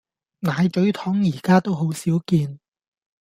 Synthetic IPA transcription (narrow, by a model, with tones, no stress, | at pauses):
naː˨˧jt͡ʃɵ˨˥ɥt̪ʰɔː˨˥ŋjiː˨˩kaː˥t̪o˥wɦo˨˥wsiː˨˥wkiː˧n